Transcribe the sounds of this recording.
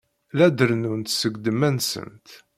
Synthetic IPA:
læd̪əɾnunt̪səɡd̪əmːænsə̰nt̪

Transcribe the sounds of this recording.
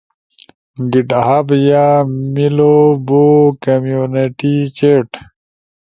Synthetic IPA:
ɡiʈaɦabjamilobokɐmjuneʈit͡ɕeʈ

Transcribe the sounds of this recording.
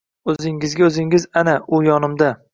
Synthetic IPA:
ɵzɪŋɪzɡʲaɵzɪŋɪzanaʔʊjɒnɪmd̪a

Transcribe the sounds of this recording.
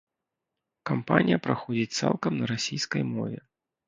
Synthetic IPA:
kampanʲijɐpɾaxɔd͡zʲit͡sʲt̪sa̰lˠkɐmnɐɾasʲijskəjmɔvʲɛ̰

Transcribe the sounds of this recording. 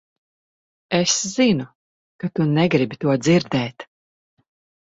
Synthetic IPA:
esz̥inu | kat̪unɛɡɾibit̪uɔd̪ziɾd̪ɛːt̪

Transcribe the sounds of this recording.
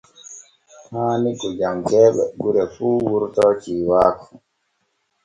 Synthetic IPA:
taːnikud͡ʒaŋkɛːɓɛɡuɾɛfuːwuɾtɔt͡ʃiːwaːku

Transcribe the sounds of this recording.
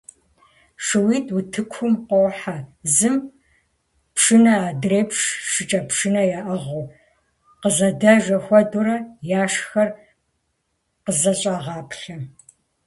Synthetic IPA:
ʂɨwiːtʰʼwutʰɨkʷʰʊmqʷɔwħazɨm | pʂɨnɐaːdreːpʂʂɨt͡ʃʼɐpʂɨnɐjaːʔɐʁʊ | qəzɐdɐʒɐxʷɔduɾɐjaːʂxɐr | qəzɐɕʼaːʁɑːpʰɬɐ

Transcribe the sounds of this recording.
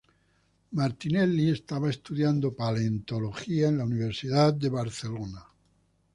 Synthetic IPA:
maɾt̪ineliest̪aβaest̪uðjand̪opalent̪o̞loxiaenlauniβe̞ɾsiðatd̪e̞βaɾθe̞lona

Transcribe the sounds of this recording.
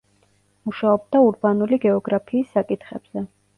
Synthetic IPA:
muʃaɔb̚d̪auɾbanuliɡɛɔɡɾapʰiːsːakʼit̪ʰχɛb̥z̥ɛ

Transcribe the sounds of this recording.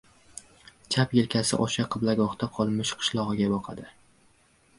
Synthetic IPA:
t͡ʃʰapjelkʲʰasɪ̰ʔɒʃaqʰɨblaɡɒχt̪ʰaqʰɒlˠmɪʃqʰɨ̥ʃlˠɒʁɨɡʲabɒqʰɑd̪ɪ

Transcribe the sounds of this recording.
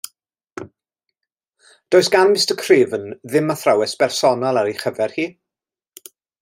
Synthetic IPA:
d̥oːɨsɡ̥anmɪstəkʰriːvənðɪmaθrawɛsb̥ɛrsɔnɔlˠaɾiχəvɛrhiː

